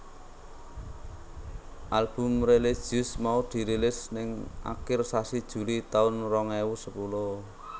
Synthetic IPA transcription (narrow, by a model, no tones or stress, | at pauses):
ʔalb̥ʊ̤mreled̥ʒ̥iʊsmaud̪̥i̤ɾilɪsnɪŋʔa̰kɪrsasid̥ʒ̥ṳlit̪aʊnrɔŋewusəpulo